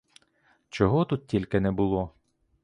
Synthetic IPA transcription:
t͡ʃɔɦɔt̪ut̪̚tʲilʲkenɛbʊlˠɔ

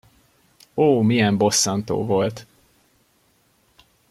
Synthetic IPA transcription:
oːmijɛmbo̞sːɑnt̪o̰ːvo̞lt̪

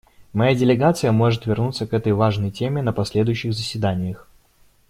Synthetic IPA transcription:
mɐjadʲɪlʲɪɡat̪sɨjəmo̞ʐɨt̪vʲɪrnut̪sːəkɛt̪əjvaʐnəjtʲemʲɪnəpɐsʲlʲe̞d̪ʊjʉɕːɪɣzəsʲvʲɪd̪anʲɪjəx

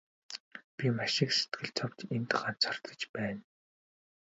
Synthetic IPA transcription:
pʲimaʃɪ̆kse̥t̪ɡɘ̆ɮt͡sʰɔpt͡ɕent̪aχaːnt͡sʰɔr̥t̪ə̥̆t͡ɕpæːn

